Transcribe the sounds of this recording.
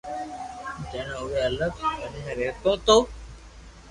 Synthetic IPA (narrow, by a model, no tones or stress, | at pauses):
d͡ʒeɳ̃ːʊʋeːələkkənmẽːɾeːt̪õːt̪oː